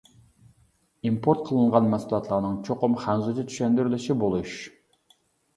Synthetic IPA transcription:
impʰoɾt̪̚qʰəlˠɨɴʁɑnmɛsulˠɑt̪ʰlˠɑɾnɨŋt͡ʃʰoqʊmχænzɨd̪ɛt͡ʃ̪ʰy̥ʃɛnd̪yɾlɪʃibolˠuʃ

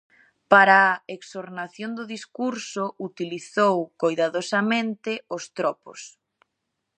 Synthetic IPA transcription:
paɾaeksoɾnaθjond̪ʊðiskuɾsʊut̪iliθowkojðaðosamẽnt̪ɪost̪ɾɔpo̰s

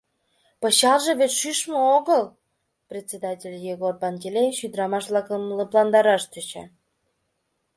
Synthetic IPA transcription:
pɤ̆ɕɑlʒĕβet̪ʃyʃməoɣəl | prʲet̪ʲt͡sʲed̪ɑtʲelʲjeɣorbɑnɡelʲeʃyd̪ɾɑmɑʃβlɑkəmləplɑnd̪ɑɾɑʃt̪øt͡ɕɑ̰

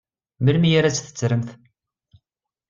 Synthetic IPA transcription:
məɾmijaɾæt͡sːθə̥t͡sːɾəmθ

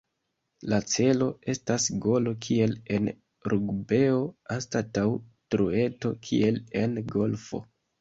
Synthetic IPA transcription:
lat͡se̞lo̞e̞stasɡo̞lo̞kʰie̞le̞n | ɾʔuɡbe̞o̞astatawtɾue̞to̞kʰḭe̞le̞nɡo̞lfo̞̰

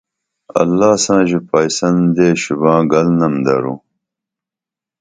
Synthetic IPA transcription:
ɐ̰lːaːsãːʑipɐjsɐnd̪eːɕubãːɡɐlnɐmd̪ɐɾṵː

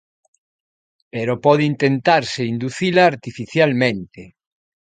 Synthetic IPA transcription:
peɾopɔðint̪ent̪aɾseind̪uθilaːɾt̪ifiθjalmẽnt̪e

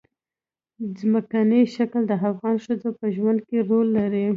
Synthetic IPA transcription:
zməkaniʃakld̪əafɣɑnʃəd͡zopəʒwand̪̚keɾolːaɾi

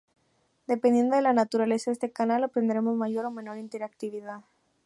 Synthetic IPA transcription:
d̪e̞pend̪je̞nd̪o̞ðelanat̪uɾale̞saest̪ekanalopɾe̞nd̪ɾe̞mo̞zmaʝo̞ɾo̞mẽ̞no̞ɾint̪eɾak̚t̪iβ̞iðað

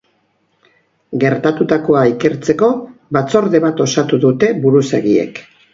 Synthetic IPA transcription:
ɡe̞ɾt̪at̪ut̪ako̞aike̞ɾt͡se̞ko̞βat͡so̞ɾðe̞βat̪o̞sat̪uðut̪e̞buɾuseɣiḛk

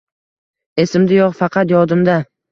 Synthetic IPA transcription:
e̞sɪmd̪ajɒqfɑqʰɑt̪jɒd̪ɪmd̪a

